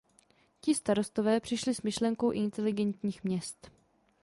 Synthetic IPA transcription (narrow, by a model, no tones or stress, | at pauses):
cɪst̪aɾo̞st̪o̞vɛːpr̝̥ɪʃlɪsmɪʃlɛŋkowʔɪnt̪ɛlɪɡɛnt̪ɲiːxmɲɛst̪